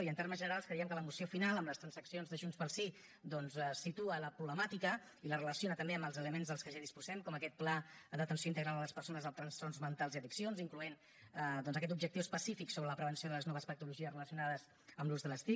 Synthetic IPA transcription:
iənt̪eɾməzʒənəɾalˠskɾəiəmkələmusiofinalˠəmləst̪ɾənsəksionzðəʒunspəlˠsi | d̪ɔnzsit̪uələpɾuβləmat̪ikə | ilərələsionət̪əmbeəmbəlˠzələmenzðəlˠskəʒaðispuzɛmkɔməkɛt̪̚plad̪ət̪ənsioint̪əɣɾalˠələspəɾsonəzðəlˠt̪ɾənst̪ɔrzmənt̪alˠziəðiksionziŋkluen | d̪ɔnzəkɛt̪ubʒək̚t̪iwəspəsifiksoβɾələpɾəβənsijoðələznɔβəspək̚t̪uluʒiəsrələsiunaðəz | əmluzðələst̪i

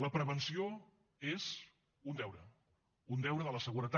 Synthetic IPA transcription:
ləpɾəβənsio | ez | und̪ɛwɾə | und̪ɛwɾəðələsəɣuɾət̪a

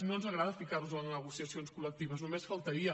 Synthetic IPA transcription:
nonzəɣɾaðəfikaɾzuənnəɣ̞usiəsionskulək̚t̪iβ̞əznumesfəlˠt̪əɾiə

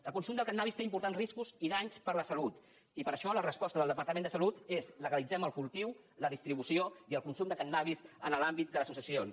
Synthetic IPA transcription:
əlˠkunsumd̪əlˠkannaβist̪eimpuɾt̪anzriskuziðaɲspəɾləsəlut̪ | ipəɾəʃɔlərəspɔst̪əðəlˠd̪əpəɾt̪əmẽnd̪əsəlut̪ezləɣəlid͡zɛməlˠkulˠt̪iw | ləðist̪ɾiβusioiəlˠkunsumd̪əkənːaβ̞isənəlambit̪̚d̪ələsus̬iəsion

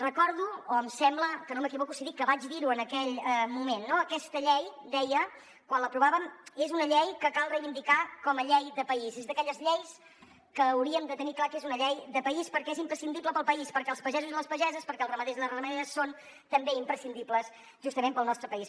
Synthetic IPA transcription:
rəkɔɾðuoəmsɛmbləkənoməkiβɔkusiðikːəβad͡ʒðiɾuənəkɛʎəmumenːoəkɛst̪əʎɛjd̪ɛjə | kwanləpɾuβaβəmezunəʎɛjkəkalˠrəjβind̪ikakɔməʎɛjðəpəisezðəkɛʎəzʎɛjs | kəːwɾiəmd̪ət̪əniklˠakezunəʎɛjðəpəispəɾkɛezimpɾəsind̪ipləpəlˠpəispəɾkɛəlˠspəʒɛzuzðəlˠəspəʒɛzəspəɾkɛəlˠzrəməðezðələrəməðeəsːon | t̪əmbeimpɾəsind̪ipləs | ʒust̪əmempəlˠnɔst̪ɾəpəis

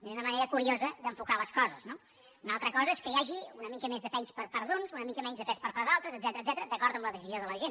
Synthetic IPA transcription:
unəməneɾəkuɾiozəd̪əɱfukaləskɔzəzno | unalˠt̪ɾəkɔzəɛskəiaʒiunəmikəmezðəpɛnspəɾpəɾðunzunəmikəmɛnzðəpɛspəɾpaɾðalˠt̪ɾəzəd̪zɛt̪əɾəːd̪ɛt̪əɾəd̪əkɔɾðəmbləðəsizjoðələʒen

